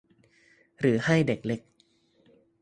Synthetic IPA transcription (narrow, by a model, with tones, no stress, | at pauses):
ɾɯː˩˦ha˥˩jde˨˩k̚le˦˥k̚